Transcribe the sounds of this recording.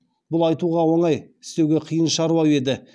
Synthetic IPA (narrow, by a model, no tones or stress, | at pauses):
bʊlˠɑjt̪uʁɑwo̞ɴɑjɪst̪e̞wɡʲe̞qʰijənʃɑɾwɑwe̞d̪ɪ